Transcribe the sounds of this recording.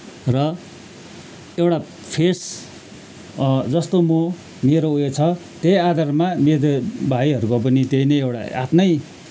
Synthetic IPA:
rʌ | ewʈa | pʰes | d͡zʌst̪omʌ | meɾoujet͡sʰʌ | t̪ejad̪ʱarmamedebʱaiɦʌɾukop̬ʌnit̪ejnʌjewɽa̰a̰t̪nʌj

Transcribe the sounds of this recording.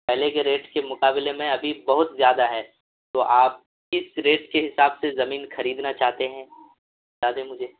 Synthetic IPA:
pɛɦlekeɾeːʈkemʊqaːbɪlemẽɐbʱibɐɦʊt̪zjaːd̪aɦɛː | t̪oːʔaːp̚ | ɪsɾeːʈkeɦɪsaːbsezɐmiːnxɐɾiːd̪nat͡ʃaːɦt̪eɦɛ̃ː | aːd̪emʊd͡ʒʱeː

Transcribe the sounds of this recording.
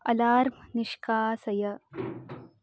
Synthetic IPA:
ɐlaːɾmniʃkaːsɐjɐ

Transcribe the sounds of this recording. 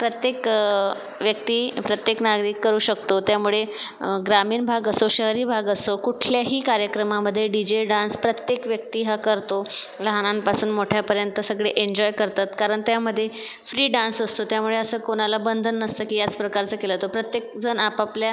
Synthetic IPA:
pɾət̪jek | ʋjək̚t̪iːpɾət̪jeknaɡɾiːkːəɾuːɕəkt̪ot̪jamuɭe | ɡɾamiːnbʱaɡəsoɕəɦɾiːbʱaɡəsokuʈʰljaɦiːkaɾjəkɾəmaməd̪ʱːjeɖid͡ʑeɖãnspɾət̪jekʋjək̚t̪iːɦakəɾt̪o | ləɦanãnpasuːnmoʈʰjapəɾjənt̪əsəɡɭeʔeɲd͡ʑɔjkəɾt̪at̪kaɾəɳt̪jaməd̪ʱːje | fɾiːɖãnsəst̪ot̪jamuɭeəsəːkoɽ̃alabənd̪ʱənːəst̪əːkiːjat͡spɾəkaɾt͡səːkelət̪opɾət̪jek̚d͡zənapaplja

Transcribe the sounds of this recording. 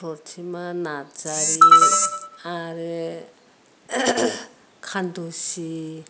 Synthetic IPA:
oɾtʰimanat͡saɾi | aɾe | kʰand̪osi

